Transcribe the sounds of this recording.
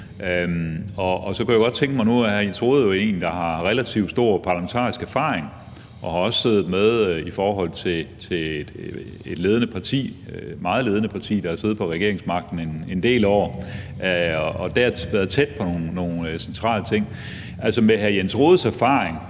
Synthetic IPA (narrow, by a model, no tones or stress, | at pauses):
ʔømɒ̽ʔɒsɒ̽kujæɡ̥ɒ̽d̥̚t͡sʰeŋɡ̥əmɑ̈ɪnuhæɐjensʁo̝ːð̩ˠjoe̝̰ːnd̥ɑ̈ɦɑ̈ʁɛlæt͡sʰiʊd̥sd̥o̝ɐ̰pʰɑ̈læment͡sʰɑ̰̈ːisɡ̥æɐfɑ̰̈ːʁeŋ | ʔɒ̽hɑ̈ɒ̽sə̥se̝ːð̩ˠmeð̞ˠifɒːɦɒ̽l̰t͡sʰe̝t͡sʰe̝led̥ | e̝d̥le̝ːð̞ˠənəpʰɑ̈t͡sʰḭːmɑ̈ːð̩ˠle̝ːð̞ˠənəpʰɑ̈t͡sʰḭːd̥ɑ̈hæɐse̝ːð̞̩ˠpʰɒ̽ʁɛɡ̥e̝ɐe̝ŋsmɑ̈ɡ̥̚d̥n̩enend̥e̝̰ːlɒ̰ː | ɒɒ̽d̥eæʋæɐðˠt͡sʰed̥̚pʰɒ̽no̝ːnno̝ːn̩sent͡sʰʁɑ̰̈ːlət͡sʰe̝ŋ̰ | ʔælsɒmeɦæɐjensʁo̝ːð̞ˠsæɐfɑ̈ːʁeŋ